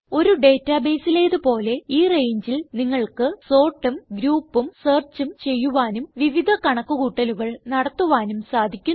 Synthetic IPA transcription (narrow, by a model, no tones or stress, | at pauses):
o̞ɾuɖe̞ːtːaːbeːsileːðɨpo̞ːle̞iːre̞jɲd͡ʑilniŋːɐɭkɨso̞ːʈːumɡɾuːpːumseːrt͡ɕːumt͡ɕe̞jːuʋaːnumʋiʋid̪ʱɐkɐɳɐkːuɣuːʈːɐluɣɐɭnɐɽɐt̪ːuʋaːnumsaːd̪ʱikʲːun